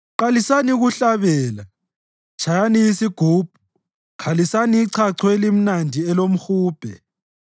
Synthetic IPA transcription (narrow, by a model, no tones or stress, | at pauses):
ǃalisaniɣuɬaβɛːla | t͡ʃʰajanijisiɡ̥ʱuːb̥̚ʱu̥ | kʰalisaniiǀʰaǀʰwelim̩nandʱiɛlom̩xuːb̥ʱɛ̰